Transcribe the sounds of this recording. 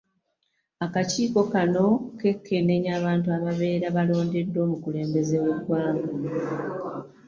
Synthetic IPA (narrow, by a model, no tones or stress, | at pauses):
akaciːko̞kano̞ke̞kʰːe̞ne̞ɲaːβaːntuaβaβe̞ːɾaβalo̞ːnde̞dːo̞ːmukule̞ːmbe̞ze̞wedwaːŋɡo